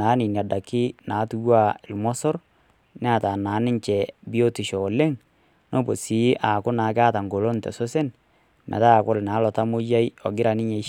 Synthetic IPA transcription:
a˨˦nɪ˨nja˨da˨kɪ˦naː˨˦tu˦wa˦˨ɪ˨lmɔ˦sɔ˦ɾ | n˦a˨ta˨naː˨˦nɪ˦ɲt͡ʃɛ˨bi˦o˦tɪ˨ʃo˨le˦ŋ | no˦bo˨si˨˦ʔa˨kʊ˦naː˨˦ka˦ta˨ŋɡo˨lo˦ntɛ̰˨so˦sɛ˦n | mʔɛ̰˨ta˦˨kʊ˦˨lna˨˦lɔ˨ta˦mʊ˦ja˦jɔ˨ɡɪ˦ɾa˨nɪ˦ɲe˨˦

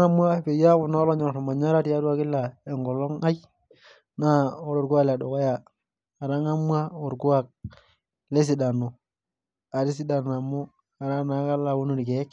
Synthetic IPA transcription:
ŋa˦mwa˦˨pe˨ja˦ʊ˨nɔ˦lɔ˦ɲɔ˨n˨ɾɔ˨ma˨ɲa˦ɾa˦tja˦ɾu˦a˦˨kɪ˦lːa˨ɛ˨ŋɡɔ˨lɔ˦ŋa˦j | na˦o˦ɾo˨ɾɡu˦a˦kla˨dɔ˨kɔ˦jaː˨ | ɾa˦ŋa˦mwa˦o˨ɾɡu˦a˦˨k̚ | le˦s̬i˨da˨no˨ | a˨ɾi˦s̬i˦da˨na˨mʊ˦ | a˨ɾa˦na˨˦ka˦la˨wo˦nu˦ɾi˨kɛ˨˦k

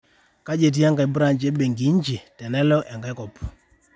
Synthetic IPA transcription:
ka˦d͡ʒe˨t̬i˦a˦ŋɡa˨jbu˦ɾa˨ɲd͡ʒɛ˦ɓe˨ŋɡi˨˦ɲd͡ʒi˨tɛ˨nɛ˦lɔ˦ʔa˨ŋɡa˨˦kɔ˨p

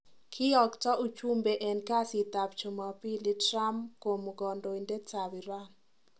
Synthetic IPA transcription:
kʰɪ˦ɔ˨ktɔ˦u˦t͡ʃu˦mbe˨ʔɛ˨nka˦sɪ˨t̪a˨p̚t͡ʃo˨ma˨pi˦li˦tɾa˦mko˨mɡɔ˨ndo˨i˨nde˦ta˨wi˨ɾa˦

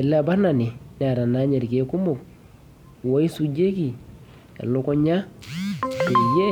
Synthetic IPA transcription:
ɛ˨lɛ˦˨ba˦na˨nɪ˨n˨a˨ɾa˨na˦ɲɛ˨ɾke˦kʊ˦mʊ˨k̚ | wɔ˦i˦su˨d͡ʒe˦ki˨ | ɛ̰˨lʊ˦kɔ˦ɲa˦˨ | kɪ˨ɾjɛ˦

